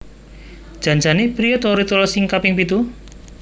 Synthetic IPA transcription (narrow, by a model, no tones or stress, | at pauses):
d̥ʒ̥a̤ɲd͡ʒanepɾijot̪oɾit̪olɔsɪŋkapɪŋpit̪u